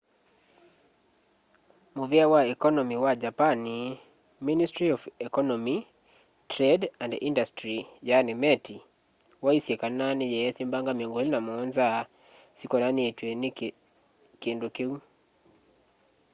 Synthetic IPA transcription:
muviawaɛkɔnɔmiwad͡ʒapani | ministɾiɔfɛkɔnɔmi | tɾɛdandḭndastɾijanimɛtʰi | waisiɛkananijɛɛsimbaŋɡamiɔŋɡilinamɔnza | sikɔnaniɛtweni | kːndukiu

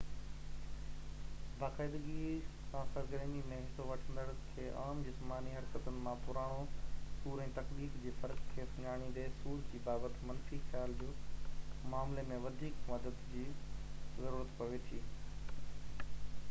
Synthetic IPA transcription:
baːqaːɪd̪əɡi | aːsɐɾɡəɾenimẽɦɪsoʋɐʈʰə̃nd̪əɽkʰeːʔaːmd͡ʑɪsmaːniɦɐɾkət̪ʊnɪ̆mãpʊɾaːɽ̃osuːɾɛ̃ːt̪ɐkliːfd͡ʑiːfɐɾkkʰeːsʊɲaːɽ̃ĩnd̪esuːɾd͡ʑiːbaːbət̪mɐnfixjaːld͡ʑoː | maːmlemẽʋɐd̪ʱiːkmɐd̪əd̪d͡ʑiːzɐɾuːɾət̪pɐʋet̪ʰiː

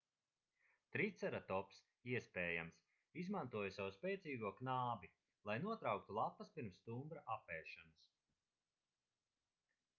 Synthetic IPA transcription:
t̪ɾit̪sɛɾat̪ɔps | iɛspɛːjams | izmant̪uɔjsawuspʲɛːt̪siːɡuɔknaːbi | lˠajnuɔt̪ɾawk̚t̪ulˠapːɐspiɾmst̪umbɾaʔapɛːʃanɐs

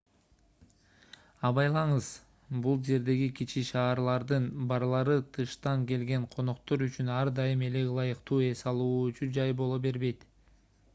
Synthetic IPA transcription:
ɑβɑjlˠɑɴɯz̥ | bulˠd͡ʒe̞ɾd̪e̞ɡikit͡ʃiʃɑːɾlˠɑɾd̪ɯnbɑɾlˠɑɾɯt̪ʰɯʃt̪ɑŋke̞lɡe̞ɴqʰo̞no̞qt̪o̞ɾyt͡ʃynɑɾd̪ɑjɯme̞lelˠɑjɯqt̪uːe̞sɑlˠuːyt͡ʃyd͡ʒɑjbo̞lˠobe̞ɾβe̞jt̪

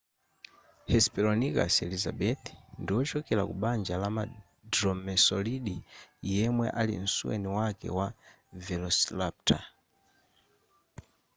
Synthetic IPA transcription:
hɛspilɔnika̰sɛlizaɓɛt̪ndiwɔt͡ʃɔkɛla̰kuɓand͡ʒalama | dɾɔmɛsɔliɗijɛmwɛʔalḭn̩suwɛ̰niwakɛ̰wa | vɛlɔslap̚tʰa

